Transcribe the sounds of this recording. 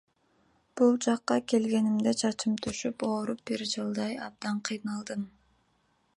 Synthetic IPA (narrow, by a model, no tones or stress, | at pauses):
b̥ulˠd͡ʒɑqːɑke̞lɡe̞nimd̪et͡ʃʰɑt͡ʃɯmt̪ʰyʃypoːɾup̚biɾd͡ʒɯlˠd̪ɑjɑ̰b̚d̪ɑɴqʰijnɑlˠd̪ɯm